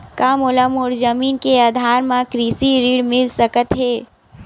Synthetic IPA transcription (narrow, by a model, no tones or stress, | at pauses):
kaːmʊləmʊɾzəmiːnkeaːd̪ʱaːɾmãkɾiːsiɾiːɽmɪlsəkət̪ɦeː